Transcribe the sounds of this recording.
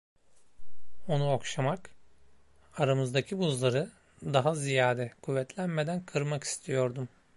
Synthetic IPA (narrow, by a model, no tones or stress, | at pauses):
o̞nuokʃamak | aɾamɯzd̪acʰibuzlˠaɾɯ | d̪aɦazijaːd̪ɛkʰuvːɛt̪lʲænme̞d̪ænkʰɯɾmaki̥st̪ʰijo̞ɾd̪um